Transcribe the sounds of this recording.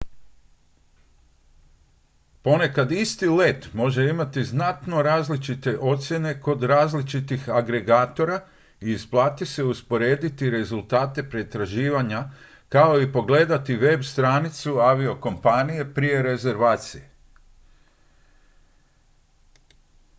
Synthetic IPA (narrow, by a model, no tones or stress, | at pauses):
po̞ne̞kad̪ist̪ile̞t̪mo̞ʒe̞imat̪iznat̪no̞ɾaːzlit͡ʃit̪e̞ʔo̞t̪sʲje̞ne̞ko̞d̪ɾaːzlit͡ʃit̪ixaɡɾe̞ɡaːt̪o̞ɾa | iːsplˠaːt̪ise̞uspo̞ɾe̞ːd̪it̪iɾe̞zulˠt̪aːt̪e̞pɾet̪ɾaʒiːʋaɲa | kao̞ipo̞ɡle̞ːd̪at̪iʋe̞bst̪ɾaːnit̪suaʋio̞ko̞mpanije̞pɾije̞ɾe̞ze̞ɾʋaːt̪sije